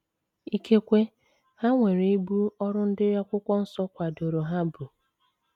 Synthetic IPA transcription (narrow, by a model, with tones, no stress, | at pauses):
i˦kʰe˦kʷe˦ | ha˦ŋʷe˨ɾe˨i˦bu˦ɔ˦ɾʊ˦n̩˦dɪ˦ɾja˦kʷʊ˦kʷɔ˦n̩˦sɔ˦kʷa˨do˨ɾo˨ɦa˦bu˨